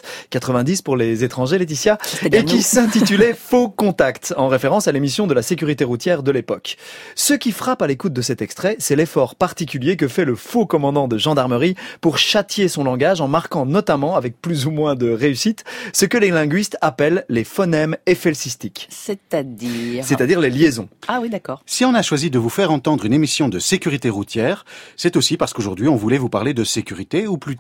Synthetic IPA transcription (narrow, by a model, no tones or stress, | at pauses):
kat̪χəvɛ̃d̪ispuʁlezet̪χɑ̃ʒelet̪̬isjaekʲisɛ̃t̪it̪ylɛfokɔ̃t̪akt̪ɑ̃ʁefeʁɑ̃salemisjɔ̃d̪əlasek̬ʲyʁit̪eʁut̪jɛʁd̪əlepɔksəkʲifχapalekut̪̚d̪əsɛt̪ɛkst̪χɛsɛlefɔʁpaʁt̪ikʲyljek̬əfɛləfokɔmɑ̃d̪ɑ̃d̪əʒɑ̃d̪aʁməʁipuʁʃat̪jesɔ̃lɑ̃ɡaʒɑ̃maʁkɑ̃nɔt̪amɑ̃avɛk̚plyzumwɛ̃d̪əʁeysit̪səkəlelɛ̃ɡɥist̪apɛlːefɔnɛmefɛlsist̪iksɛt̪ad̪isɛt̪ad̪iʁleljezɔ̃awid̪akɔːʁsiɔ̃naʃwazid̪əvufɛʁɑ̃t̪ɑ̃d̪ʁynemisjɔ̃d̪əsekʲyʁit̪eʁut̪jɛːʁsɛt̪osipaʁsə̥koʒuʁd̪ɥiɔ̃vulɛvupaʁled̪əsekʲyʁit̪euply